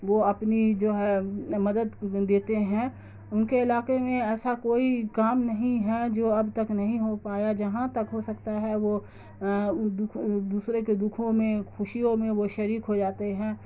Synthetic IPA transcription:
ʋoɐpnid͡ʒoːɦɛmɐd̪əd̪d̪eːt̪eɦɛ̃ː | ʊnkeɪlaːkemẽɛːsakoːikaːmnɐɦĩɦɛd͡ʒoːɐbt̪ɐknɐɦĩɦopaːjad͡ʒɐɦãt̪ɐkɦosɐkt̪aɦɛʋo | d̪ʊkʰd̪uːsɾeked̪ʊkʰõmẽxʊʃijõmẽʋoʃɐɾiːkɦod͡ʒaːt̪eɦɛ̃ː

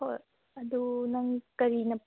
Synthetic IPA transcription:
o | ɐd̪unɐŋkɐɾinɐp

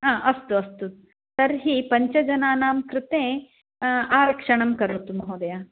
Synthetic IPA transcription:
aːʔɐst̪uɐst̪u | sɐɾɦipɐɲt͡ʃɐd͡ʒɐnaːnaːmkɾɪt̪ẽː | aːɾɐkʂɐɳɐmkɐɾuːt̪umɐɦoːd̪ɐjaː

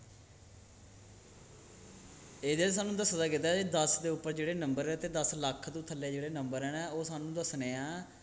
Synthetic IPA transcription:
eːd̪eːsaːnũːd̪əsd̪aːkɪt̪aːd͡ʒeːd̪əsd̪eːʊpːəɾd͡ʒeːɽeːnəmbəɾɛt̪eːd̪əsləkʰːd̪ũːt̪ʰəlːeːd͡ʒeːɽeːnəmbəɾɛːnɛːoːsaːnũːd̪əsneːãː

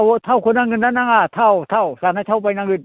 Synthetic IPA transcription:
wt̪ʰawkʰunaŋɡɯnːanaŋat̪ʰawt̪ʰawsaːnajt̪ʰawpajnaŋɯn

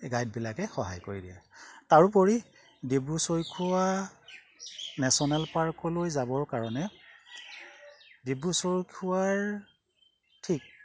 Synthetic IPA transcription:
ɡajd̚bilakɛxɔɦa̰jkoɹidiɛ̰taɹupɔɹi | debusojkʰuwa | nɛsɔnɛlpaɹkɔlojzabɔɹkaɹɔnɛ | debusojkʰuwaɹ | tʰik̚

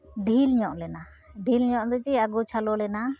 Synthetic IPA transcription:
ɖʱilɲɔʔlɛna | ɖʱilɲɔʔd̪ɛd͡ʒiaɡut͡ʃʰalɔlɛna

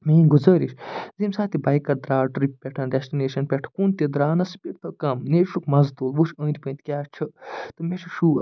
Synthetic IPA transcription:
meːnɡuzəːɾiʃzimsaːt̪ibɐjkːɐɾd̪ɾaːɖɾippʲɛʈʰɐnɖesʈineːʃɐnpʲeʈʰkunt̪id̪ɾaːnɐspʲik̚t̪ɐkɐmneːɾʃukmɐzt̪oːlʋut͡ʃʰə̃ːnd̪ʲipə̃nt̪ʰʲkʲaːt͡ʃʰɐt̪ɨmet͡ʃʰiʃu

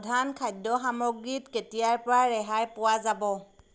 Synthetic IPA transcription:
dʱankʰajdɔɦamɔɡitketijaɹpɔɹaɹɛɦajpʊwazabɔ

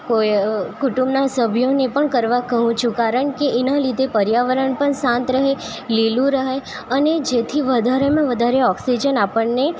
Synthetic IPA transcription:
kojkuʈũmbnasəbʱjonepəɳkəɾʋakəɦũt͡ʃʰũkaɾəɳkeʔɛnalid̪ʱepəɾjaʋəɾəɳpəɳsãnt̪ɾəɦe | lilũɾəɦe | əned͡ʒet̪ʰiʋəd̪ʱaɾemãʋəd̪ʱaɾeɔksid͡ʒənapəɳne

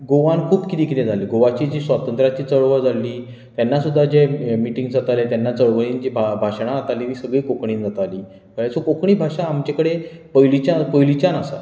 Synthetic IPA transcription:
ɡoʋankʰuːbkit̪ikʰnẽd͡zaliːɡoʋat͡ɕid͡ʑiːsʋat̪ənt̪ɾat͡ɕiːt͡səɭʋəd͡zʱalːiː | t̪janːasud̪ʱːad͡ʑemiʈiŋɡd͡zat̪alet̪janːat͡səɭʋəɭind͡ʑibʱabʱaʂɳ̃aːt̪aliːʋiːsəɡɭiːkokɳiːnd͡zat̪aliː | bəɭjat͡sokokɳiːbʱaʂãːmt͡ɕekəɽepəjlit͡ɕapəjlit͡ɕanasa̰

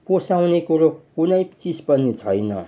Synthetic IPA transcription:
posawnekoɾokunʌjt͡sispʌnit͡sʰʌjnʌ̰

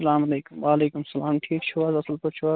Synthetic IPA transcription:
ɐlaːmɐleːkʊmʋaːleːkumɐsɐlaːmʈʰiːk̚t͡ʃʰuʋazɐsɐlp̪ɐt͡ʃʰuʋa

